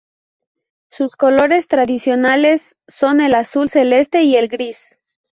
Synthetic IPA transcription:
susko̞lo̞ɾe̞st̪ɾaðisjo̞nale̞sː | o̞ne̞lasulse̞le̞st̪e̞ie̞lɡɾis

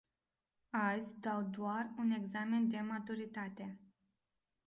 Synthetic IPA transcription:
azʲd̪awd̪oarune̞ɡzame̞nd̪e̞mat̪uɾit̪at̪e̞

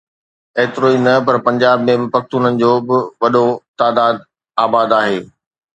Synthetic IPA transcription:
eːt̪ɪɾoːinɐpɐɾpɐ̃ɲd͡ʑaːbmẽbɪpɐkt̪uːnənɪ̆d͡ʑoːbɪʋɐɗot̪aːd̪aːd̪̚ | aːbaːd̪aːɦeː

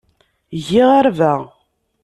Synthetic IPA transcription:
ʝiʁaɾvæ

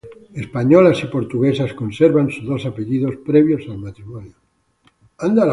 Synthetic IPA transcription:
espaɲolasipo̞ɾt̪uɣesaskonseɾβansuzðosapeʎiðo̞spɾeβ̞josalmat̪ɾimonjo | and̪al

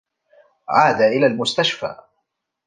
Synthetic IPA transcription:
ʕaːd̪aːʔɪlaːlmʊst̪aʃfa̰ː

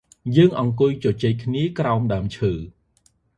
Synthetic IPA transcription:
jəːŋʔɑŋkʊjt͡ɕɔt͡ɕeːc̚kʰniəkraɔmɗaəmt͡ɕʰəː

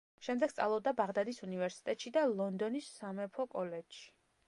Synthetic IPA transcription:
ʃɛmd̪ɛɡ̥st̪sʼa̰lˠɔb̚d̪abaʁd̪ad̪isunivɛɾsi̥t̪ʼɛt̪ʼʃid̪alˠɔnd̪ɔnisːamɛpʰɔkʼɔlɛdʃi̥

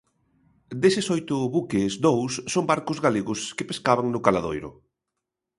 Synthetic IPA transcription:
d̪esɪsojt̪ʊβukezd̪owsːombaɾkʊzɣaleɣʊskepeskaβaŋnʊkalaðojɾʊ̰

